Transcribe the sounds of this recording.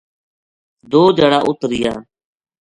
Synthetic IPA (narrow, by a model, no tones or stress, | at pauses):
d̪oːd͡ʒəɽaːʔʊt̪ɾɪjaː